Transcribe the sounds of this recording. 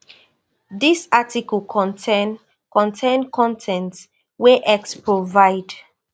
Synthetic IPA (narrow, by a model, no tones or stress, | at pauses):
disatikəln | kɔ̃ntʰẽnkʰɔ̃ntʰɛ̃nt | weʔɛkspɹovaɪd